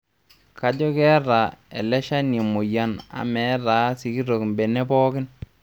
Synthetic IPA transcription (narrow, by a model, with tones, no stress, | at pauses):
ka˦d͡ʒɔ˦kɛ˦ɾa˨ɛ̰˨lɛ˦ʃa˦ni˨mu˨ja˦na̰˨mɛ˨˦ɾaː˨˦si˨ki˦ɾo˨kmbe˨nɛ˦pɔː˦kɪ˦n